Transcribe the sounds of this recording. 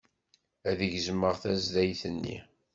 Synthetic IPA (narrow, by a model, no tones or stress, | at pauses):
æðəʝzməʁθæzd̪æjθənːḭ